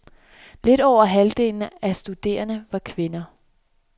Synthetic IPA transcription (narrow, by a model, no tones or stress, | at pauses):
le̝d̥ɒʊ̰ɐɦæld̥e̝̰ːln̩æsd̥ud̥e̝̰ːɐnəʋɑ̈kʰʋe̝nɐ